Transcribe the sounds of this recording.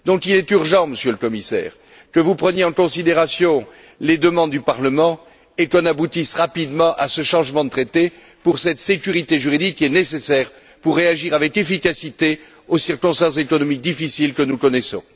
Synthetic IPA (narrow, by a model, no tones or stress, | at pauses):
d̪ɔ̃kilɛt̪yʁʒɑ̃məsjøləkɔmisɛ̰ːʁ | kəvupχənjeɑ̃kɔ̃sid̪eʁasjɔ̃ | led̪əmɑ̃d̪ːypaʁləmɑ̃ | ekɔ̃nabut̪isʁapid̪mɑ̃ʔasəʃɑ̃ʒmɑ̃d̪ət̪χet̪e | puʁsɛt̪sekʲyʁit̪eʒyʁid̪ikːiɛnesesɛʁ | puʁːeaʒiʁavɛkefikasit̪e | osiʁkɔ̃st̪ɑ̃s̬ekɔnɔmik̚d̪ifisilkənukɔnesɔ̰̃